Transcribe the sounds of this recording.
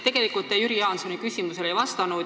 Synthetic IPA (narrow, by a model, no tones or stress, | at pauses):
e̞ɡ̥elikult̪ːˑejyɾijɑːnso̞nikysʲimuse̞le̞jvɑst̪ɑnu